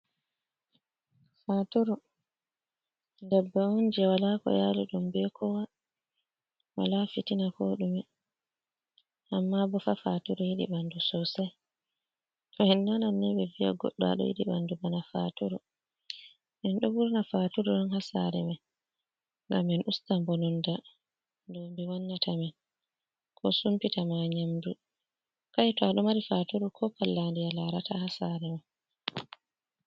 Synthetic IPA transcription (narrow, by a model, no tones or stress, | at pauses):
fatuɾu | ndɛbːɛund͡ʒɛwalakɔ̰jaluɗumbɛkʰɔwa | wa̰lafitinafoɗumɛ | ʔamːabɔfafatuɾujiɗḭɓandusɔsɛ | tɔhɛnːɔnanːɛbɛvija̰ɡɔ̰ɗːɔa̰ɗɔ̰jḭɗiɓandubanafa̰tuɾṵ | mɛnɗɔbuɾnafatuɾɔnɔnhasa̰ɾɛ̰mɛ | ŋɡamːɛnʔustambonɔnda | ndɔmbiwanːatʰamɛn | kʰɔsumpitamaɲamdu | kajtɔaɗɔmaɾifatuɾukʰɔpalːandijalaɾatahasaɾɛmɛ